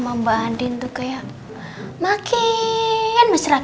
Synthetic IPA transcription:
məmbandɪŋt̪ukajaʔ | makʰi | janməsɾa

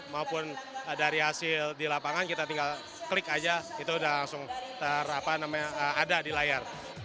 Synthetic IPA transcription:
maupʊndaɾiɦasɪldilapaŋankit̪at̪iŋɡal | kəlɪkad͡ʒait̪uudahlaŋsʊŋt̪əɾapanamaɲaəadadilajar

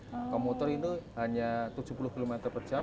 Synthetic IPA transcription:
komut̪ɔrinuhaɲat̪ud͡ʒupulʊhkilumɛt̪ərpərt͡ʃa

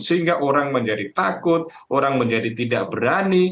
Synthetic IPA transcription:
səɦiŋɡaʔoɾaŋməɲd͡ʒadit̪akʊt̪̚ | oɾaŋməɲd͡ʒadit̪idaʔ̚bəɾani

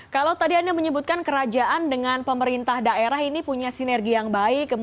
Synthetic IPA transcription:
kalawt̪adiandaməɲəbut̪̚kankəɾad͡ʒaʔandəŋanpəməɾint̪ahdaeɾaɦinipuɲasinɛrɡijaŋbaɪkːə

